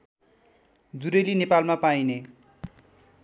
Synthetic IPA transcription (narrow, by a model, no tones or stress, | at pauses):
d͡zuɾelinepalmapajne